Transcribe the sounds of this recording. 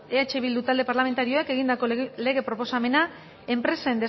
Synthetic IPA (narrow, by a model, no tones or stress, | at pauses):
eat͡ʃe̞βild̪ut̪ald̪e̞paɾlame̞nt̪aɾio̞eke̞ɣ̞ind̪ako̞le̞ɣe̞pɾo̞po̞same̞na | e̞mpɾe̞saend̪e̞